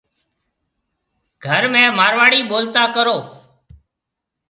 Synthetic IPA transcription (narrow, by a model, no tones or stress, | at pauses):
ɡ̥ʱəɾmẽːmaːɾʋaːɽiːɓoːlt̪aːkəɾoː